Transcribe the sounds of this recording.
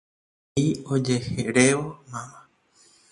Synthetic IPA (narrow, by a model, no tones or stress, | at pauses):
iod͡ʒe̞heɾeʋomãmã